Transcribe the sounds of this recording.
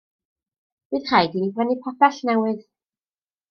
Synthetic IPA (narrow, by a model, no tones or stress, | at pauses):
b̥ɨðr̥ajdinibwɛnipʰɔpɛɬnɛwɨð